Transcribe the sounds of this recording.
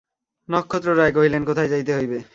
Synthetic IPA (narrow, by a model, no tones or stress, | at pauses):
nɔkʰːot̪ːɾoɾajk̬oɦilenkot̪ʰajd͡ʑajt̪eɦojbe